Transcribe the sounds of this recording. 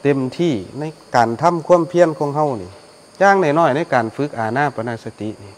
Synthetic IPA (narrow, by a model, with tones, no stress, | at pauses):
t̪e˨mt̪ʰiː˧˩na˧˩jkaː˨˩nt̪ʰa˧˥˨mkʰu˧˥˨ə˨mpʰi˧˥˨ənkʰɔː˧˦ŋɦa˧˥˨wniː˧˩ | jaː˧˩ŋna˧˩jnɔː˧˩jna˧˥˨jkaː˨˩nfɯ˧˦˥k̚ʔaː˨˩naː˧˥˨pa˧naː˧˩sa˧t̪i˧˦ʔniː˧˩